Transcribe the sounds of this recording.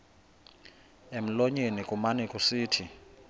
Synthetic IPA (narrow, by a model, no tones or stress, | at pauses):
em̩loɲenikʼumanikʼusiːtʰi